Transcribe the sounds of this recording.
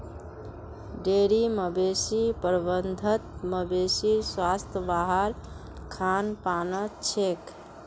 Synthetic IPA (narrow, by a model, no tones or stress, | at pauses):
ɖeɾiməbesipəɾbənd̪ʱət̪məbesiswast̪ʰəbaɦəɾ | kʰanpanət͡ʃʰek